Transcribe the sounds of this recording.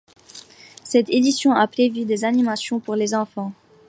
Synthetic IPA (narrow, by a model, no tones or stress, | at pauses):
sɛt̪ed̪isjɔ̃apχevyd̪ezanimasjɔ̃puʁlezɑ̃fɑ̃